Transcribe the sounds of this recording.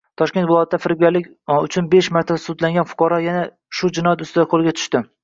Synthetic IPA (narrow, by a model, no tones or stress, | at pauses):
t̪ʰɒʃkʲe̞nt̪vɪlˠɒjat̪̚ʰːd̪afɪɾɪb̚ɡʲaɾlɪkʲ | ʊt͡ʃʰʊnbe̞ʃmaɾt̪ʰasʊd̪laŋɡʲanfʊ̥qʰɑɾɒjana | ʃʊd͡ʒɪnɒjat̪ʊst̪ɪd̪aqʰolɪɡʲat̪ʰʊ̥ʃt̪ɪ